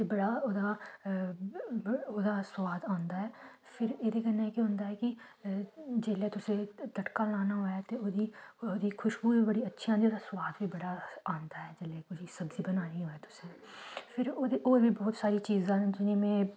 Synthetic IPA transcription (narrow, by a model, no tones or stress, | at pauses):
t̪ebɐɽaoːd̪a | od̪asʋaːd̪ãːnd̪aɦɛː | pʰɪɾeːd̪iɡənaeːkeɦʊ̃ːnd̪aɦɛːki | d͡ʒeːlet̪ʊsed̪əʈkalaːnaɦoːɛt̪eod̪iod̪iːkʰʊʃbuibəɽiɐtːʃʰiãːnd̪iod̪aswaːd̪bibɐɽaãːnd̪aːɦɛːd͡ʒeːlekʊʃisɐbzibənaːniɦoːɛːt̪ʊ̥seː | pʰɪɾd̪oːɾbibɔːt̪saːɾit͡ʃiːzãd͡ʒʊnemẽː